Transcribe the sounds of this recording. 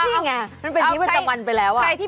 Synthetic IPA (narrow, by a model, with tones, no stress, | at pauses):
i˥˩ŋa˧ma˧npe˧ni˦˥wa˥˩t͡ɕa˧mwa˧npa˧jlɛː˦˥wʔa˨˩a˧jt̪ʰiː˥˩